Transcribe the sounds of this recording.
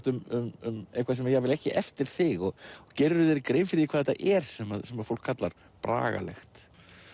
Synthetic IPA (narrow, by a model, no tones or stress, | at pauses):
t̪ʏmʏmʏmejŋkʰvas̬ɛmaɾjɛɣvɪlɛhcɪʔɛft̪ɪɾ̥θɪɣɔɣcɛɾðʏðɛɾɪkɾeːjmfɪɾɪikʰvaðɛt̪ːa̰ʔɛɾ̥sɛmaðsɛmaðfowl̥kʰːat̪laɾ̥ | pɾa̰ːɣa̰lɛ̰xt̪